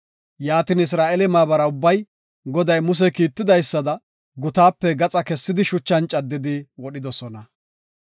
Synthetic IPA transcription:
jaːt̪ɪnɪs̬ɾaːʔɛlɛmaːbɐɾɐʊbːɐj | ɡɔd̪ɐjmʊs̬ɛkiːt̪ːɪd̪ɐjsːɐd̪ɐ | ɡʊt̪aːpːɛɡɐt͡sʼɐkɛsːɪd̪ɪʃʊt͡ʃːɐnt͡ʃʼɐd̪ːɪd̪ɪwɔɗɪd̪ɔsɔnɐ

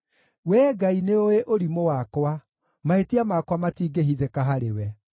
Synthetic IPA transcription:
wɛːɡaineoweʔoɾimowakwa | mahetiamakwamatiːɡeɦiðekaɦaɾḛwɛ

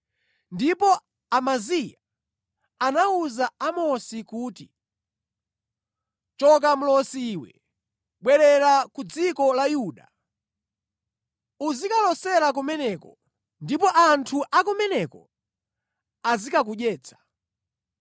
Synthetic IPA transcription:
ndipɔ | amazija | anauzaamɔsikuːti | t͡ʃɔk̬am̩lɔsiːwɛ̰ | ɓwɛɾɛɾakud͡zikɔlajuɗa̰ | uzikalɔsɛɾak̬umɛnɛkɔ | ndipɔʔantʰuʔakumɛnɛkɔ̰ | azikak̬uɗɛːt͡sʰḁ

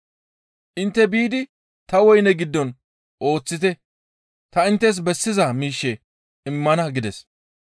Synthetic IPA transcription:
ʔɪnt̪ːɛbiːd̪ɪ | t̪ɐwɔjnɛɡɪd̪ːɔn | ʔo̞ːt͡sːɪt̪ɛ | t̪ɐɪnt̪ːɛs̬bɛsːɪzɐmiːʃːɛ | ɪmːɐnɐɡɪd̪ɛs

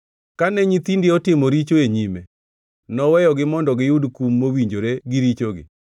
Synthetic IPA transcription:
kanɛɲit̪indeɔtɪmoɾit͡ʃoeɲime | nɔwɛjɔɡɪmɔndɔɡɪjudkumːowiɲd͡ʒoɾeɡɪɾit͡ʃoɡɪ̰

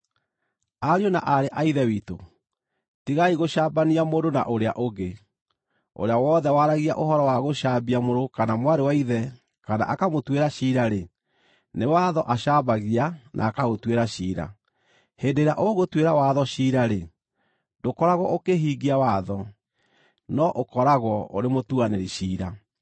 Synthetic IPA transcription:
aɾionaʔaɾeʔaiðɛwiːto̰ | tiɣaiɣoʃaːbaniamoːdona̰ʔoɾea̰ʔoɣe | o̰ɾeawɔːðɛwaɾaɣia̰ʔoɦɔɾɔwaɣoʃabiamoɾokanamwaɾewaiðɛ | kana̰ʔakamotweɾaʃiːɾaɾe | newaðɔʔaʃaːbaɣianʔa̰ːkaɣotweɾaɕiːɾa̰ | heːndeɾeaʔoɣotweɾawaðɔɕiɾaɾe | dokɔɾaɣwɔ̰ʔokeɦiːɡiawaðɔ | nɔʔokɔɾaɣwɔo̰ɾemotuaneɾiʃiːɾa

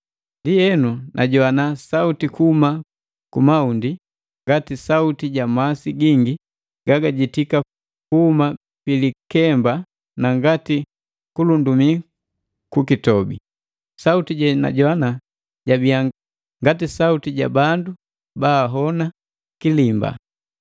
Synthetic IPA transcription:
ndijɛnunʔaɟɔanasautikuhuma | kumaundi | ŋɡatisautiɟamasiɡiŋɡi | ɡ̥aɡaɟitika | kuhuma | pilikɛmba | naŋɡati | kulundumi | kukitɔbḭ | sautiɟɛna̰ɟɔana | ɟabiaŋ | ŋɡatisautiɟa̰bandu | baːɦɔna | kilimba̰

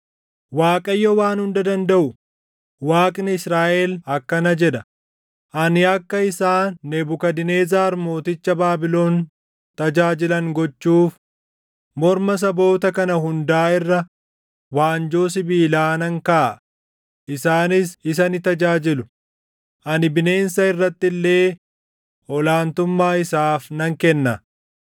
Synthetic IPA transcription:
waːkʼɐjːɔwaːnhʊnd̪ɐd̪ɐnd̪ɐʔʊ | waːkʼnɪɪsɾaːʔeːlɐkːɐnɐd͡ʒɛᶑɐ | ʔɐnɪɐkːɐɪsaːnːɛbʊkɐd̪ɪne̞ːzaːɾmo̞ːt̪ɪt͡ʃːɐbaːbɪlo̞ːn | t̪ɐd͡ʒaːd͡ʒɪlɐŋɡɔt͡ʃːuːf | mɔɾmɐs̬ɐbo̞ːt̪ɐkɐnɐɦʊnd̪aːɪrːɐ | waːnd͡ʒo̞ːs̬ɪbiːlaːnɐŋka | ʔɪsaːnɪsɪs̬ɐnɪt̪ɐd͡ʒaːd͡ʒɪlʊ | ʔɐnɪbɪne̞ːnsɐɪrːɐt̪ːɪlːe̞ː | ʔɔlaːnt̪ʊmːaːɪsaːfnɐŋkɛnːɐ

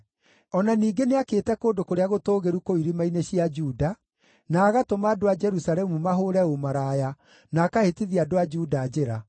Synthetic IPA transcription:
ɔnaniːɡeneakeːtɛkoːndokoɾeaɣotoːɣeɾukoiɾimaineɕiad͡ʒuːda | naːɣatomaːdoad͡ʒɛɾusalɛmumaɦoɾɛomaɾaja | nakahetiðiadoad͡ʒuːdaːd͡ʒeɾa

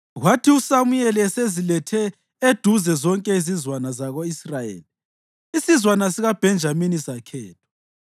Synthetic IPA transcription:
ɣwatʰiusamujɛlɛsezilɛtʰɛ | ed̥ʱuzɛzɔŋkʼɛizizwanazaɣoisrajḛːli | isizwanasiɣab̥ʱɛnd͡ʒʱaminisakʰɛːtʰɔ̥

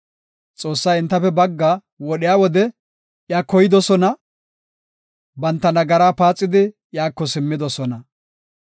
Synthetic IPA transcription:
t͡sʼoːsːɐjɪnt̪ːɐfɛbɐɡːɐ | wɔɗɪjaːwɔd̪ɛ | ʔjaːkɔjɪd̪ɔsɔnɐ | bɐnt̪ːɐnɐɡɐɾaːpaːt͡sʼːɪd̪ɪ | jaːkːɔsɪmːɪd̪ɔsɔnɐ

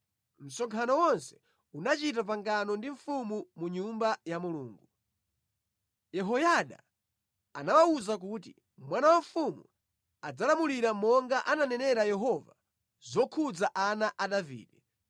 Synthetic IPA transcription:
m̩sɔŋkʰanɔwɔnsɛ̥ | unat͡ʃitap̬aŋɡanɔndiɱ̩fumumuɲumbajamulṵːŋɡu | jɛɦɔjaɗa̰ | anawauzak̬uːtḭ | mwanawaɱfumṵ | ad͡zalamuliɾamɔŋɡaʔananɛnɛɾajɛɦɔva̰ | zɔkʰud͡zaʔanaʔaɗavḭːɗɛ

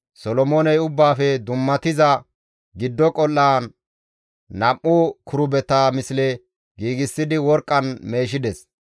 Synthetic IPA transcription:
sɔlɔmoːnɛjʊbːaːfɛd̪ʊmːɐt̪ɪzɐ | ɡɪd̪ːɔkʼɔlːaː | nɐmʔːʊkʰʊɾʊbɛt̪amɪslɛ | ɡiːɡɪsːɪd̪ɪwɔɾkʼːɐnme̞ːʃ̬ɪd̪ɛs

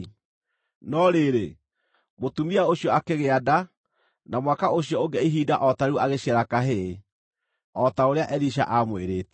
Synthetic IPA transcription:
nɔɾeɾe | motumiaoɕiɔakeɣeada | namwakaoɕjɔoŋɡɛiɦiːdaʔɔtaɾeuaɣeɕiɛɾakaɦe | ɔtaoɾeaʔɛɾiʃ̬a̰ʔamoeɾeːtɛ

